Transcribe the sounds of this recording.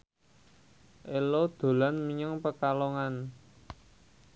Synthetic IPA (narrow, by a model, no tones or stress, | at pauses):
ʔelod̪̥o̤lanmiɲəŋpəkaloŋan